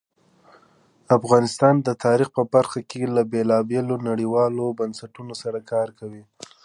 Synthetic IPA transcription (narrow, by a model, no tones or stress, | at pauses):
afɣɑnɪst̪ɑnd̪ət̪ʰɑɾixpəbaɾxakelabelɑbelonaɽiwɑlobansaʈunosaɾakɑɾkawi